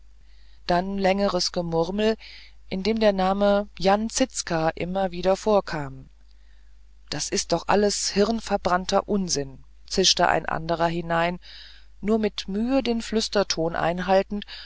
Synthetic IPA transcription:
d̥anlɛŋəʁəsɡ̥əmʊʁml̩ | ʔɪndeːmdeːɐnaːməjant͡sɪt͡skaʔɪ̰mɐviːdɐfoːɐkʰaːm | d̥asɪst̚d̥ɔχʔa̰ləshɪʁnfɛɐbʁantʰɐ̰ʔʊnzɪn | t͡sɪʃtə̰ʔa̰ɪnʔa̰ndəʁɐɦɪnaɪnː | uːɐmɪtmyːədeːnflʏstɐtʰoːnʔa̰ɪnɦaltn̩t

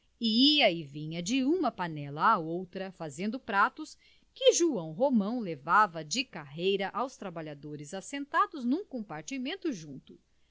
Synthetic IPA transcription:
iiɐɪvĩɲɐd͡ʒɪũmɐpanɛlɐːowt̪ɾɐfazẽnd̪ʊpɾat̪ʊs | kɪʒuɐ̃w̃ɦomɐ̃w̃levavɐd͡ʒɪkaɦejɾɐʔawst̪ɾabaʎad̪oɾɪzasẽnt̪ad̪ʊznũkõpaɾt͡ʃimẽnt̪ʊʒũnt̪ʊ

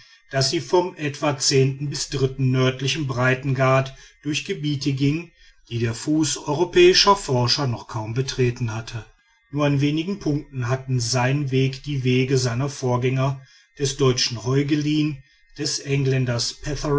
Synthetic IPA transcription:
d̥asz̥iːfɔmʔɛtv̥at͡seːntn̩bɪsd̥ʁɪtn̩nœɐtlɪçəmbʁaɪtn̩ɡaɐtd̥ʊɐçɡ̥əbiːtəɡɪŋən | d̥iːdeːɐfuːsɔʏʁopʰɛːɪʃɐfɔɐʃɐnɔχkʰaʊmbətʁ̥eːtn̩hatʰə | nuːɐanveːnɪɡŋ̩pʰʊŋk̚tn̩ɦatn̩zaɪnənveːkd̥iːveːɡəzaɪnɐfoːɐɡɛŋɐ | d̥ɛsd̥ɔʏt͡ʃn̩hɔʏɡəliːn | d̥ɛsʔɛŋlɛndɐspʰɛθ

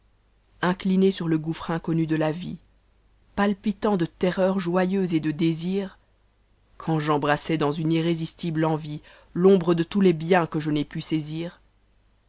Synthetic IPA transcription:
ɛ̃klinesyʁləɡufχɛ̃kɔnyd̪əlavḭ | palpit̪ɑ̃d̪ət̪ɛʁœʁʒwajøzed̪əd̪eziːʁ | kʰɑ̃ʒɑ̃bʁasɛd̪ɑ̃zyniʁezist̪iblɑ̃vi | lɔ̃bʁəd̪ət̪ulɛbjɛ̃kəʒənɛpyseziːʁ

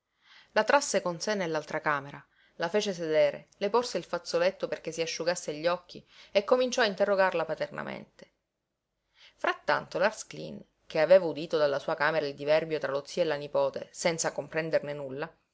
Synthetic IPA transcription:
lat̪ɾasːekonsenːelːalt̪ɾakaːmeɾa | lafeːt͡ʃes̬ed̪eːɾḛleporseilfat̪solet̪ːoperkesiaʃːuɡasːeʎːɔkːiekːomint͡ʃɔaint̪erːoɡarlapat̪erna̰mḛnt̪e̥ | fɾat̪ːa̰nt̪olarsklḭn | k̟eaveːvaud̪iːt̪od̪alːasuːakaːmeɾaild̪ivɛrbjot̪ɾʔalot̪sːiaelːanipoːt̪ḛsɛnt̪sakompɾɛnd̪ernenulːa

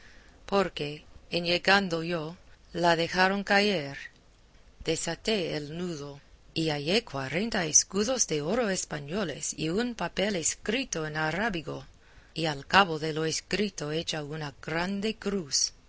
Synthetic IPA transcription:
poɾkeenjeɣand̪ojolaðe̞xaɾoŋkajeɾ | d̪̥esat̪eelnuðo | iajekwaɾe̞nt̪aeskuðozðe̞oɾoespaɲolḛsḭunpapeleskɾit̪oenaɾaβiɣo | ialkaβoðeloeskɾit̪oe̞t͡ʃaunaɡ̥ɾand̪e̞kɾus

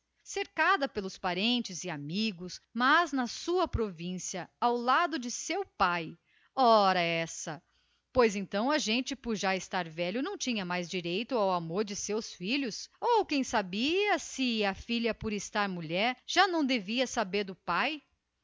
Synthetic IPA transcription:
seɾkad̪ɐpelʊspaɾẽnt͡ʃɪzɪamiɡʊsmɐznɐsuɐpɾovĩsiɐawlad̪ʊd͡ʒɪsewpaj | ɔɾɐɛsɐ | pojzẽnt̪ɐ̃w̃ɐʒẽnt͡ʃɪpʊɾʒaɪst̪aɾvɛʎʊnɐ̃w̃t͡ʃĩɲɐmajzd͡ʒiɾejt̪ʊawamoɾd͡ʒɪsewsfiʎʊsowkẽj̃sabiɐsɪɐfiʎɐpʊɾɪst̪aɾmuʎɛɾʒ̥anɐ̃w̃d̪eviɐsabeɾd̪ʊpaj

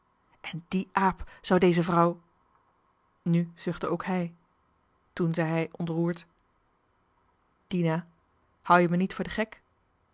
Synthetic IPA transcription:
ʔɛndiʔaːpz̥ɑwdejzəvrɔw | nyz̥ɵχtəowkɦɛj | tunzɛjɦɛjʔɔntruːɹt | d̥ina | hʌwjəmənitfʊːɹdəχɛk

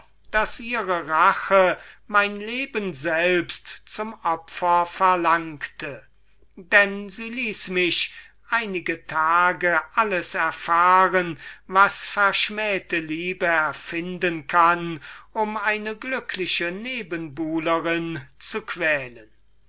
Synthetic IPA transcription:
d̥asʔiːʁəʁaχəmaɪnleːbənzɛlpstt͡sʊmʔɔpfɐfɛɐlaŋktʰə | dɛnziːliːsmɪʃ | ʔaɪnɪɡətʰaːɡəʔaləsɛɐfaːʁənvasfɛɐʃmɛːtəliːbəɛɐfɪndənkʰanʊmaɪnəɡlʏkʰlɪʃəneːbənbuːləʁɪnt͡sukv̥ɛːlən

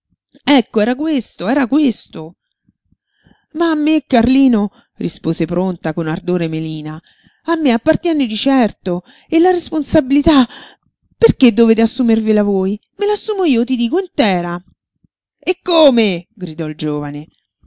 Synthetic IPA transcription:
ɛkːoɛːɾakwest̪oɛːɾakwest̪o | maːmːekːarliːno | rispoːzepɾont̪akonard̪oːɾemeliːna | amːeapːart̪jɛned̪it͡ʃɛrt̪o | elaɾesponsabilit̪a | perk̟ed̪ːoveːt̪easːumervelavoːjmelasːumoiːot̪id̪iːkoint̪ɛːɾa | ekːoːmeɡɾid̪ɔild͡ʒoːvane

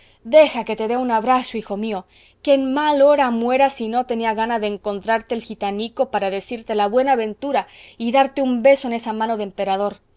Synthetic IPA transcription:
d̪e̞xake̞t̪e̞ðeunaβɾaso̞ixo̞mio̞ | kenmaloɾamwe̞ɾasino̞t̪e̞niaɣ̞anaðeːŋko̞nt̪ɾaɾt̪e̞eːlxit̪aniko̞paɾaðe̞siɾt̪e̞laβwe̞naːβe̞nt̪uɾaiðaɾt̪e̞umbe̞so̞e̞ne̞samãno̞ðempe̞ɾað̞o̞ɾ

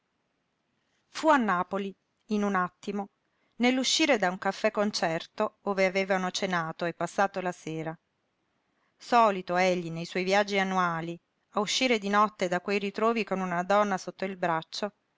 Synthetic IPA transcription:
fuanːaːpoli | inunat̪ːimo | nelːuʃːiːɾed̪auŋkafːɛkːont͡ʃɛrt̪ooːveaveːvanot͡ʃenaːt̪oepːasːaːt̪olaseːɾa | sɔːlit̪oeʎːinejswɔjvjad͡ʒːianːuaːli | auʃːiːɾed̪inɔt̪ːed̪akwejɾit̪ɾoːvikonunad̪ɔnːasot̪ːoilbɾat͡ʃːo

